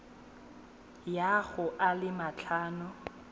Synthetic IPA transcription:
jaɣʊʔalɪmat͡ɬʰaːnʊ

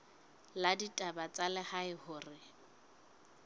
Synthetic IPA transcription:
laditʼabat͡sʼalɪhaɪhʊːrɪ

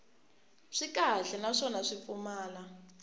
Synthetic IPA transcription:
ʂikaɬɛnaʂɔnaʂip̪fumaːla

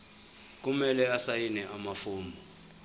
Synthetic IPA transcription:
k̬umɛlɛasajinɛʔamafuːmbɔ

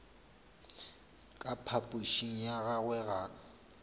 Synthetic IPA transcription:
kʼapʰapʼuʃiŋ̩jaɣaɣwɛɣaː

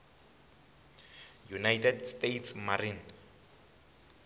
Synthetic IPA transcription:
junajtʰɛdstejtʰsmarin

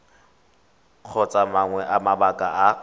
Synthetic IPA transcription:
k͡xʰɔt͡sʼamaŋwɛʔamabakʼaa

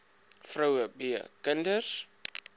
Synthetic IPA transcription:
frəwəbiə̰kəndəs

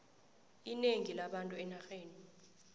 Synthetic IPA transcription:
ineŋilaɓantʼuɛnaxeːni

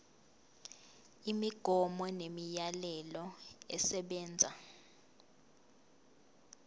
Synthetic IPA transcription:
imiɡ̥ʱɔmɔnemijalɛlɔɛsɛɓɛːnd͡zʱa

